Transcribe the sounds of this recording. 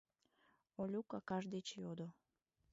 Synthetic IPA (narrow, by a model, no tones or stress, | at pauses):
olʲukɑkɑʒd̪et͡ɕjod̪o